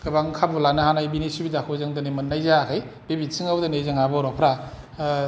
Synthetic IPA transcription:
kʰɯbaŋkʰabulanɯhanajbinisubidakʰozaŋdanemɯnːajzakʰaj | b̥ebisʰɯŋawdanezaŋabaɾɔpʰɾa

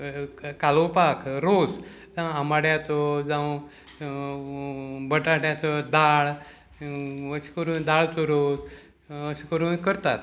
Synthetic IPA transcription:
kalopakʰɾos | d͡zãwamaɽjãt͡sɔd͡zãw | bəʈaʈjãt͡sɔd̪aɭ | əsi̥kəɾũd̪aɭt͡soɾot̪ | əɕikəɾũkəɾt̪at̪

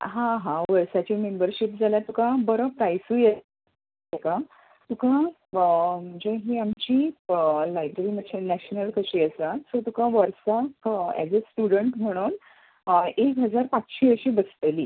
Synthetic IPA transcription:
ɦãɦãʋəɾsat͡ɕiːmembəɾɕipd͡zʱaljat̪ukãbəɾəpɾajsuːje | ekã | t̪ukã | m̤əɳd͡zeɦiːamt͡ɕilajbɾeɾiːmədɕanæɕnəlkəɕiːəsat̪sət̪ukãʋəɾsaɛ̰d͡zesʈuɽəɳʈm̤əɽ̃uːn | ekɦəd͡zaɾpat͡sɕiʋəɕiːbəst̪əliː

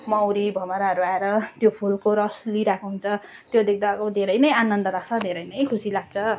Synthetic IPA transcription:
mʌwɾibʱʌmaɾaɦʌɾuaeɾʌt̪jopʰulkoɾʌsliɾakoɦunt͡sʰʌ | t̪jod̪ek̚ʰd̪akod̪ʱeɾʌjnʌjanʌnd̪ʌlaɡt͡sʰʌd̪ʱeɾʌjnʌjkʰusilaɡ̚t͡sʰʌ

